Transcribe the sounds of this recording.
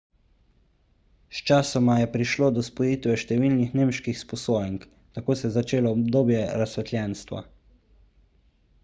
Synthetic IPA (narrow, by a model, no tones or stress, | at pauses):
st͡ʃaːsɔmajɛpɾiʃloːd̪ɔspɔjiːt̪ʋɛʃt̪ɛʋiːlnixneːmʃkixspɔsoːjɛŋk | t̪akoːsɛzat͡ʃeːlɔːb̚d̪oːbjɛɾasʋɛt̪lʲjɛnst̪ʋa̰